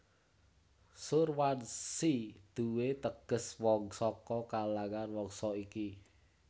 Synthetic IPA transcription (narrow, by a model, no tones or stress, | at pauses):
sʊrwansid̪̥uwet̪əɡ̥ə̤swɔŋsɔkɔkalaŋanwɔŋsɔiki